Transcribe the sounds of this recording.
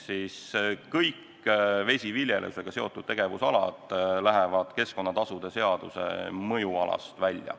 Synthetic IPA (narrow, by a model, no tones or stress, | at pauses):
siskɤjkː | ve̞sʲivilʲjelʔḛuseɡ̥ɑse̞o̞t̪ːˑud̥̪̚t̪e̞ɡ̥e̞vusɑlɑ̰d̪̥ˑlæɦevɑd̪̥ke̞sko̞nːɑt̪ɑsud̪e̞se̞ɑd̪use̞̰mɤjuɑlɑ̰st̪vælʲjɑ̰